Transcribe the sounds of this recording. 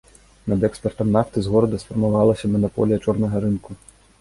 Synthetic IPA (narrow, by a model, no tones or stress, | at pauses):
nɐd̪ɛkspʲɛrt̪ɐmnaft̪ɨzɣɔɾɐd̪ɐsfɐrmavalˠɐsʲɐmɐnɔpɔ̰lʲijɐt͡ʂɔrnɐɣɐɾɨnku